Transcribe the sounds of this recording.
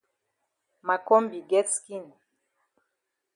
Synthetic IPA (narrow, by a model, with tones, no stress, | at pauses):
ma˨kɔ˦mbi˨ɡɛ˦tski˦˨n